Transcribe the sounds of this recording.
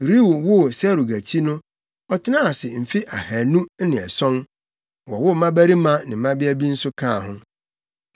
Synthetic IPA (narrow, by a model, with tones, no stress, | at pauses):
ɾi˦wu˨wʊ˦sɛ˦ɾu˨ɡæ˨t͡ɕʰi˦nʊ̃˦ | ɔ˦tʰɪ˦nã˦a˨sɪ˨m̩˨fi˦ʔa˨hæ˨nũ˦nɪ̃˨ɛ̰˨sɔ̃˦n | wɔ˨wʊ˦mã˦bæ˦ɾi˦mã˦nɪ̃˨mã˦bɪ˦æ˦bi˦n̩˦sʊ˦kʰã˦˨ɦʊ̃˦